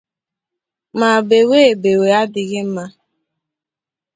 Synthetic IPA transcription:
ma˨be˨we˦˨be˨we˨a˦dɪ˨ɣɪ˦m̩˦ma˦

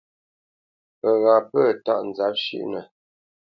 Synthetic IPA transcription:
ə˨ɣa˨pə˦˨ta˦˨ʔn̩˨za˨˦p̚ʃḭ˦ʔnə˨

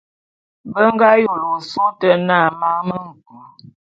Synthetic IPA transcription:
bə˦ŋ˦ɡa˦jo˨lo˨su˦tə˦na˦˨ma˦ŋmə˦ŋ̩˨ku˨

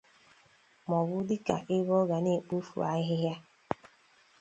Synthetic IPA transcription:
mɔ˨wʊ˦dɪ˦ka̰˨ʔe˦βɔ˦ɣa˨ne˦˨k͡pu˦fṵ˨a˦ɦɪ˦ɦja˦

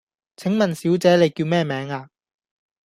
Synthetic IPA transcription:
t͡sʰɪ˨˥ŋmɐ˨nsiː˨˥wt͡sɛː˨˥le˨˧jkiː˧wmɛː˥˩mɛː˨˥ŋaː˧

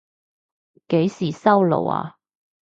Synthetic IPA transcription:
ke˨˥jsiː˨˩sɐ˥wlo̰˨˩wa̰˧

